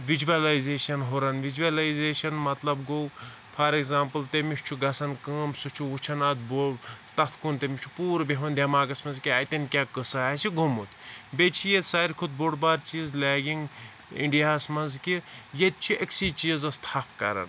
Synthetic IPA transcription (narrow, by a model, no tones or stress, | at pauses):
ʋid͡ʒuʋɐlajzeːʃɐnɦoɾɐnʋid͡ʒuʋɐlɐjzeːʃɐnmɐt̪lɐbɡow | pʰɐɾeɡzaːmpɨlt̪emiʃʲt͡ʃʰuɡɐsɐnkəːmsut͡ʃʰuut͡ʃʰɐnɐt̪bot̪ɐt̪ʰkunt̪emit͡ʃʰu̥puːɾbeɦʋɐnd̪ʲɐmaːɡɐsmɐnzkʲiɐt̪ʲɐnkʲaːkɨsɨasʰiɡʱumut̪ʰʲbet͡ʃʰijet̪saːɾʲkʰut̪̚boɽbaːɾt͡ʃiːzlʲaːɡiŋɡ | ḭɳɖijaːsmɐnzkʲijet̪̚t͡ʃʰieksit͡ʃiːzɐst̪ʰaːpʰkɐ̰ɾɐ̰n